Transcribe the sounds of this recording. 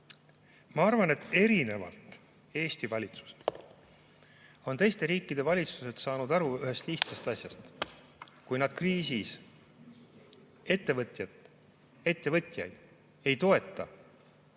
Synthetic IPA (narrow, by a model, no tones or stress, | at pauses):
mɑɑrvɑne̞t̪ːe̞ɾine̞vɑ̰lt̪ | e̞ːst̪ivɑlʲit̪su̥s | o̞nt̪e̞jst̪e̞ɾiːkːid̪̥e̞vɑlʲit̪su̥se̞t̪sɑːnud̪ɑɾuyɦe̞st̪liçt̪sest̪ɑsjɑst̪ | kujnɑd̪̥̚kriːsis | e̞t̪ːe̞vɤt̪ʲjɑt̪ | e̞t̪ˑːe̞vɤt̪ʲˑjɑ̰jd̪̥ | e̞jt̪o̞e̞t̪ˑːɑ